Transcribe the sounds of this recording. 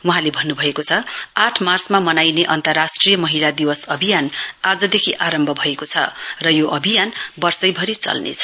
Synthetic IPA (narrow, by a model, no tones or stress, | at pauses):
wuɦãlebʱʌnːubʱʌekot͡sʰʌaʈʰmarsmamʌnajneʔʌnt̪ʌrːasʈrijʌmʌɦilad̪iwʌsʌbʱijanad͡zʌd̪ekʰiʔaɾʌmbʱʌbʱʌekot͡sʰʌ̰rʌjoʔʌbʱijanbʌrsʌjbʱʌɾit͡sʌ̰lnḛt͡sʰʌ̥